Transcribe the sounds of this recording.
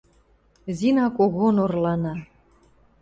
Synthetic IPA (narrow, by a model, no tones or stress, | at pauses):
zinɑkoɣonorlɑnɑ